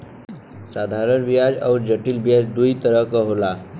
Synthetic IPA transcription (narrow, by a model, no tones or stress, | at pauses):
sad̪ʱaɾənʋijad͡ʒa̰wɾd͡ʑəʈiːlbijad͡ʑd̪ujt̪əɾəkəɦola